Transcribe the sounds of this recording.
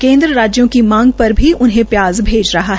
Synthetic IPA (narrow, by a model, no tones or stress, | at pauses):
kẽːnd̪ɾəɾaːd͡ʒjõkimãːŋɡ̚pɐɾbʱiʔʊnɦẽpjaːzbʱeːd͡ʒɾɐɦaɦ